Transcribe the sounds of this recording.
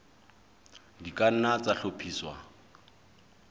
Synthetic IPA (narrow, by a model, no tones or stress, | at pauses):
dikʼan̩nat͡saɬopʰiːswa̰